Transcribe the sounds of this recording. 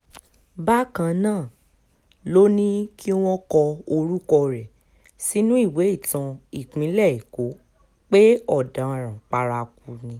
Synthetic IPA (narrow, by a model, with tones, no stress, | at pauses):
ba˦kã˧nãː˦˨ | lo˦nĩ˦ki˦w̃ɔ̃˦kɔ˧o˧ɾu˦kɔ˧ɾɛ˨ | si˨˦nũ˦i˦˨we˨˦i˦˨tã˧i˦˨k͡pĩ˨˦lɛ˦˨i˨ko˨˦ | k͡pe˦ɔ˦˨dã˨˦˨ɾ̃ã˨k͡pa˧ɾa˧ku˧nĩ˧